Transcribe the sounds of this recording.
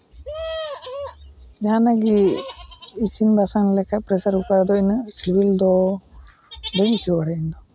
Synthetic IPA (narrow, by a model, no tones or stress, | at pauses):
d͡ʒaanaɡiː | simbasaŋlɛkʰapɾɛsaɾhukad̪ɔinsibild̪ɔ | d̪əɲkiwaɽɛind̪ɔ